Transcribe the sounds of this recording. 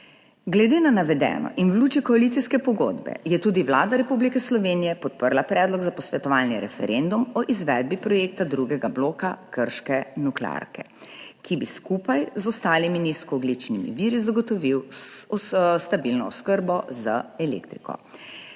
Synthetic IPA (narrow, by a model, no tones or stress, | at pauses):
ɡlɛd̪eːnanaʋɛd̪ɛ̰ːnɔ̰ʔinwluːt͡ʃikɔalit̪siskɛpɔɡo̰d̪bɛ̰jɛt̪uːd̪iʋlaːd̪aɾɛpublikɛslɔʋeːnijɛpɔt̪̚pəɾlapɾɛːd̪lɔɡzapɔsʋɛt̪ɔʋaːlniɾɛ̰fɛ̰ɾend̪umɔʔizʋɛd̪̚bipɾɔjekt̪ad̪ɾuɡɛɡabloːkakəɾʃkɛnukla̰ɾkɛ | kʰibiskupajzɔst̪aːliminiskɔːɡlit͡ʃnimḭʋiːɾizaɡɔt̪ɔʋiw | st̪abilnɔ̰ɔskəɾbɔzaɛlḛkt̪ɾikɔ̰